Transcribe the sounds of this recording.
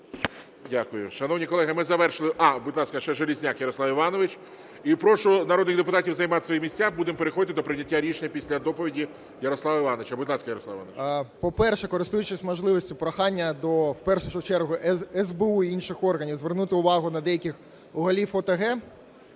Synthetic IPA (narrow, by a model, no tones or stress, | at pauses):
dʲakʊjʊ̰ʃɐnɔwnʲikɔlˠɛɦɪmɪzɐʋɛrʃɪlˠɪʔɑbʊd̪lˠɑsʲkɐʃt͡ʃɛʒelʲizʲnʲakjɐɾɔslˠɑwiʋɑnɔʋɪt͡ʃ | ipɾɔʃʊnɐɾɔd̪nɪxd̪epʊt̪ɑtʲiwzɐjmɑt̪ɪ̥sʋɔjimʲisʲtʲabud̪empeɾexɔd̪ɪt̪ɪd̪ɔpɾɪnʲɐtʲːaɾʲiʃenʲɐpʲisʲlʲɐd̪ɔpɔʋʲidʲi | jɐɾɔslˠɑʋɐɪʋɑnɔʋɪt͡ʃɐbʊd̪lˠɑskɐjɐɾɔsˠɑʋɪʋɑnʋpɔpɛrʃɛkɔɾɪst̪ujʊt͡ʃɪsʲmɔʒlˠɪʋɔsʲtʲʊpɾɐxɑnʲːɐd̪ɔwpɛrʃʊʒʊt͡ʃɛrɦʊʔɛzbeuiinʃɪxɔrɦɐnʲiwzʋernut̪ɪʊʋɑɦʊnɐd̪ɛjɐkʲɪx | ʊɣɐlʲiffɔt̪ɐɦɛ